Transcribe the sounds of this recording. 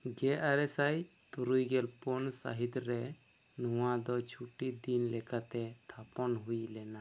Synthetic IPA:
ɡɛʔaɾɛsajt̪uɾujɡɛlpɔnsa̰ɦit̪ɾɛ | nuw̃ad̪ɔt͡ʃʰuʈid̪inlɛkat̪ɛt̪ʰapɔnɦujlɛna

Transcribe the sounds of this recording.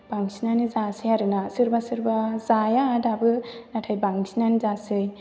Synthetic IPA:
b̥aŋsinanizasɯjaɾɯnasɯɾbasɯɾbazajaːdabɯnatʰajbaŋsinanizasɯj

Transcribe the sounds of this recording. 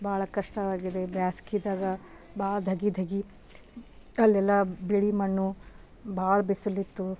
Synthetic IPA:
baːɭɐkɐʂʈɐʋaːɡid̪e̞bjaːskid̪aːɡɐ | bʱaːɭɐd̪ʱɐɡid̪ʱɐɡi | ɐlːɛlːɐbiɭimɐɳːu | bʱaːɭɐbisulːit̪ːu

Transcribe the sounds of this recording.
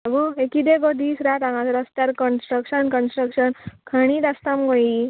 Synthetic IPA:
aboekid̪eɡod̪iːsɾat̪ãŋɡãt͡səɾəst̪jaɾkənsʈɾəkʂənkənsʈɾəkʂənkʰəɽ̃iːt̪ast̪amɡoi

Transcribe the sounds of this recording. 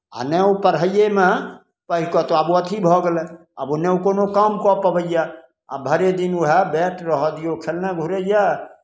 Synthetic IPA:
a̰nɛupəɾɦəjeme | pəɦkɔt̪oabuət̪ʰibʱɔɡelɛ | əbunɛukonokamkɔpəbəja | a̰bʱəɾed̪inuɦɛbɛʈɾəɦɔd̪ijokʰelneɡʱuɾəja

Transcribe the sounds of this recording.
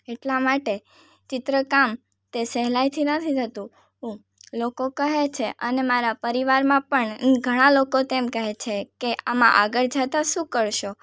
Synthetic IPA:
eʈlamaʈe | t͡ʃɪt̪ɾəkam | t̪esɛɦlajt̪ʰinət̪ʰit̪ət̪ũ | ɦũ | lokokəɦet͡ʃʰeʔənemaɾapəɾiʋaɾmãpəɳɡʱəɽ̃alokot̪emkəɦet͡ʃʰekeʔamã̰ʔa̰ɡəɭd͡ʒat̪aʃũkəɾʃo

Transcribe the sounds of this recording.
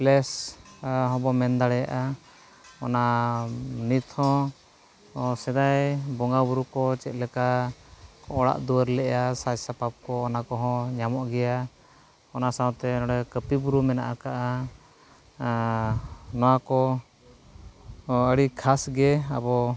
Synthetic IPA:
plɛs | ɦɔ̃bɔmɛnd̪aɽɛjaʔa | ɔna | nit̪hɔ̃ | ɔsɛd̪ajbɔŋɡabuɾukɔt͡ʃɛt̪̚ˀlɛka | kɔʔɔɽa̰ʔd̪uwəɾlɛʔasasapap̚kɔːnakɔɦɔ̃ɲamɔʔɡɛja | ɔnasaw̃t̪ɛnɔɽɛkəpibuɾumɛna̰ʔakaʔa | nɔwakɔ | əɽikʰasɡɛabɔ

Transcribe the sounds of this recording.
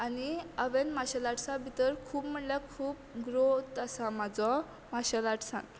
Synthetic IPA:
aniəʋenmaɕalaʈsãbʱit̪əɾkʰuːpm̤əʈljakʰuːp̚ɡɾot̪asãmad͡zɔ | maɕalaʈsã̰n

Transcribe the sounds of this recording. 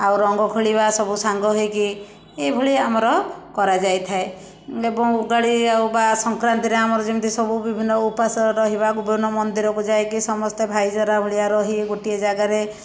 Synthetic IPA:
awɾɔŋɡɔkʰoɭibasɔbusaŋɡɔɦɔjki | ebʱɔɭiamɔɾɔkɔɾad͡ʒajt̪ʰae | ebɔŋuɡaɽiawbasɔŋkɾant̪iɾeamɔɾɔd͡ʒimt̪ʰisɔbubibʱinːɔupasɔɾɔɦiβaɡubɔnːɔmɔnd̪iɾɔkud͡ʒajkisɔmɔst̪ebʱajd͡ʒɔɾabʱɔɭiaɾɔɦiɡoʈied͡ʒaɡaɾe

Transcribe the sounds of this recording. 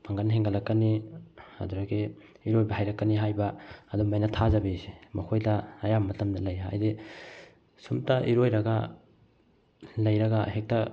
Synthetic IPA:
pʰɐŋɡɐnɦeŋɡɐlɐkːɐniɐ̰duɾɐɡi | iɾojbɐɦajɾɐkːɐniɦajbɐːdumajnɐtʰazɐbesi̥mɐkʰojdɐːjamːɐtɐmdɐlɐja̰jdi | sumtɐʔiɾojɾɐɡɐ | lɐjɾɐɡɐhek̚tɐ

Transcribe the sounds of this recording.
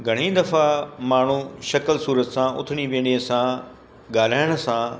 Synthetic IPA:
ɡʱɐɽ̤̃ĩːd̪ɐfamaːɳ̤uʃɐklsuːɾət̪sãʔʊ̰t̪ʰɪɽ̃iʋẽːɽiəsã | ɠaːl̤aːɪɽ̃̆sã

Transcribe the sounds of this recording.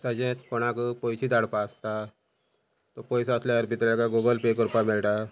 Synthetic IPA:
t̪ad͡ʑɛ̃t̪pɔɽ̃akəpɔjt͡ɕid̪aɽpaəst̪a | t̪ɔpɔjsəsljaəɾpit̪ɾakaɡoɡəlpekɔɾpamelʈa

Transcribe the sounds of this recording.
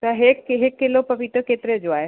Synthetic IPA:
t̪ɐɦekːɦɪkːɪlopɐʋit̪əkeːt̪ɪɾed͡ʑoaːɦe

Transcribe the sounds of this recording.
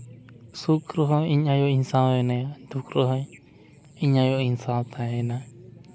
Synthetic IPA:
sukɾoɦoiɲãjoinsãwnẽnd̪ukɾoɦo | iɲãjoinsalt̪ãenã

